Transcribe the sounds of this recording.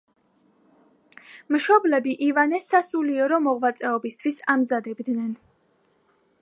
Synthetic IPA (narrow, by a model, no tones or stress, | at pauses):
mʃɔblɛbiʔivanɛsasuliɛɾɔmɔʁvat̪sʼɛɔbist̪ʰwisamzad̪ɛbd̪nɛn